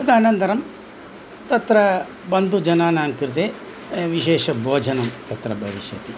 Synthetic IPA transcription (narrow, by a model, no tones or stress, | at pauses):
ɐd̪ɐnɐnt̪ɐɾɐm | t̪ɐt̪ɾɐ | bɐnd̪ʱud͡ʒɐnaːnaːŋkɾit̪̬eː | ʋiʃeːʃɐbʱoːd͡ʒɐnɐmt̪ɐt̪ɾɐbʱɐʋiʃjɐt̪i